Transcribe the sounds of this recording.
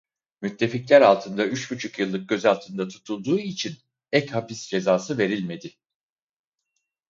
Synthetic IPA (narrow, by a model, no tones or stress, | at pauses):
myt̪ʰːe̞ficlʲæɾalˠt̪ʰɯnd̪ayt͡ʃbyt͡ʃʰykjɯlˠːɯk̚ɟø̞zalˠt̪ʰɯnd̪at̪ʰu̥t̪ʰulˠd̪uːit͡ʃʰin | ɛchapisd͡ʒe̞zaːsɯve̞ɾilʲme̞d̪ɪ